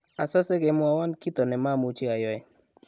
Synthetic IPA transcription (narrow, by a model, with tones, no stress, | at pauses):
a˨sa˦sɛ˦kɛ˨mʊ˦a˨wa˦nki˦t̪ɔ˨nɛ˨ma˦˨mu˨t͡ʃɪ˦a˨jɔ˦ɛ˨